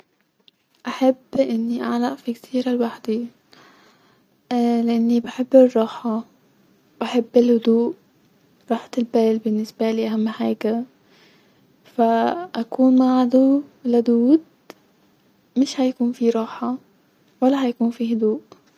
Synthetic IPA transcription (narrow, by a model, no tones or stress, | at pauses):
ʔaħabːʔɪnːiʔaʕlaʔfikt̪ʰiːɾɪlwaħd̪i | lɪʔanːibɪħɪbːɪrˤːɑːħɑ | wbaħabːɪlhʊd̪uːʔ | ɾˤɑːħt̪ɪlbeːlbɪnːɪsbaliːʔaɦamːhaːka | faʔakuːnmaʕd̪ulʊd̪uːd̪ | mɪʃhajakuːnfiɾˤɑːħɑ | walːaɦajakuːnfiːɦʊd̪uːʔ